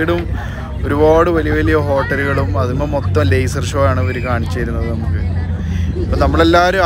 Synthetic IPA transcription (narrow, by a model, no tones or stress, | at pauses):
iɽum | o̞ɾuboːɽɨʋɐlijɐʋɐlijɐɦo̞ːʈːɐluɣɐɭumɐðumɐmot̪ːɐmlejsɐrʂoːjaːɳɨʋɐɾukaːɳit͡ɕːɐjɾunːɐðɨnɐmukːɨ | ipːɐnɐmːɐɭelːaːɾu